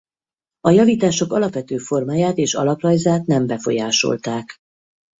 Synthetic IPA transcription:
ɒjɒviːt̪aːʃo̞kɒlɒpʋɛt̪øːfo̞rmaːjaːt̪eːʃɒ̰lɒplɒjzaːt̪nɛmbɛfo̞̰jaːʃo̞̰lt̪aːk

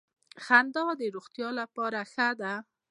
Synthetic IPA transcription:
xand̪ɑd̪əɾoɣt̪jɑlapɑɾaxad̪a

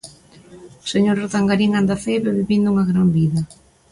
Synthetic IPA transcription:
seɲoɾroðaŋɡaɾiŋand̪aθejβeβiβind̪ʊuŋaɣɾambiðɐ

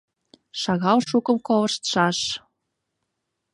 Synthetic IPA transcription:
ʃɑɣɑlʃukɤ̆mkovɤʃt̪ʃɑʃ

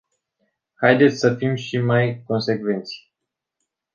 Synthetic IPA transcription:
hajd̪et̪sʲsəfimʃimajko̞nse̞kve̞nt̪sʲ

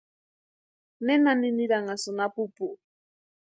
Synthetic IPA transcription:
nenaniniɾaŋasonapupu

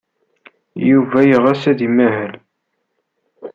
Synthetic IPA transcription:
juvæjəʁæsæðimæɦəl

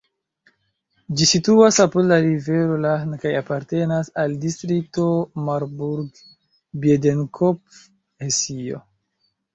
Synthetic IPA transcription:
d͡ʒisituasapodlaɾive̞ɾo̞lankajapaɾte̞nasaldistɾik̚to̞maɾbuɾɡ | biedenkʰop̚ | hesio̰

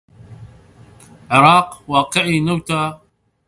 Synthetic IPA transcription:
ʕɪɾˤɑːqwɑːqɨʕinawt̪aː

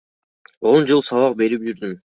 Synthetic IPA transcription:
o̞nd͡ʒɨlˠsɑβɑq̚be̞ɾip̚d͡ʒyɾd̪ym

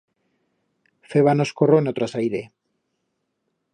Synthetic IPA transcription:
feβanoskoroenot̪ɾasajɾe

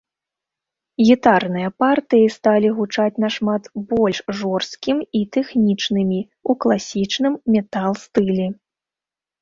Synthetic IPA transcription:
ɣʲit̪arnɨjɐpart̪ɨjist̪alʲiɣut͡ʂat͡sʲnɐʂmat̪bɔlʲʂʐɔrst̪kʲimit̪ɛxnʲit͡ʂnɨmʲi | uklˠasʲit͡ʂnɨmːʲɛt̪alˠst̪ɨlʲɛ

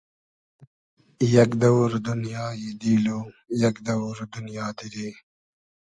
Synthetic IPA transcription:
jɐkd̪ɐwɾd̪unjaːjid̪iːloːjɐkd̪ɐwɾd̪unjaːd̪iɾeː

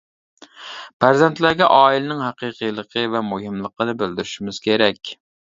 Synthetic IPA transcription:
pʰæɾzɛnt̪læɾɡʲɛʔɑːilɪnɪŋɦɑqiːqʰijlˠəqʰəvɛmuɦɪmlˠəqənɨbɪld̪yɾɪʃimɪz̥kʲʰeɾɛkʲ

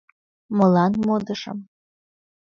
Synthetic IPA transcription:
mɤlɑnmod̪əʃə̰̆m

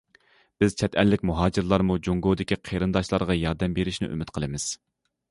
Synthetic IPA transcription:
b̥ɪz̥t͡ʃʰɛt̪ʰɛlːɪkʲmuɦɑːd͡ʒɪɾlˠɑɾmud͡ʒoŋɡod̪ɪkʲʰiqʰeɾɨnd̪ɑʃlˠɑɾʁɑjɑɾd̪ɛmbeɾɪʃnɪ̰ʔy̰mɪt̪̚qʰəlˠɨmɪz̥

